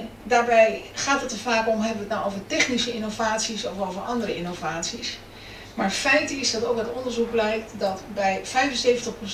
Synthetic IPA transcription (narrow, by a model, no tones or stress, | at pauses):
daːɹbɛjχaːtɦətəvaːkɔmɦɛbəʋətnawʔowvəɹtɛχnisəɪnowvaːtsisɔfowvəɹʔɑndərəɪnowvaːtsis | maːɹfɛjtəɪsdɑtowk̚dɑtɔndəɹzuk̚blɛjk̚tdɑtbɛjvɛjfənsejvəntəχpro